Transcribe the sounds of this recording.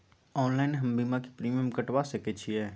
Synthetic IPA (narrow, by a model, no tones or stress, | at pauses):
ɔːnlaːɪnɦɐmbiːmaki̥pɾiːmijəmkəʈwasɐket͡ʃʰiɛː